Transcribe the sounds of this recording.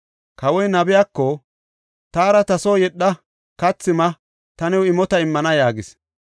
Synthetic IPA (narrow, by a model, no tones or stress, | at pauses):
kɐwɔjnɐbɪjaːkːɔ | t̪aːɾɐt̪ɐsoːjɛɗːɐ | kɐt͡sːɪmɐ | t̪ɐnɛwɪmɔt̪ɐɪmːɐnɐjaːɡɪs